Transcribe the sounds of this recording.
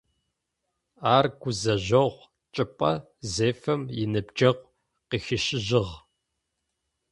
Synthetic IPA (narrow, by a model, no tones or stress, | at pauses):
aːrɡ̥ʷʊzɐʑɐʁʷ | t͡ʃʼɨpʼɐ | zeːfɐmjɪnɨbd͡ʒɐʁʷ | qiːxɪɕɪʑɪʁ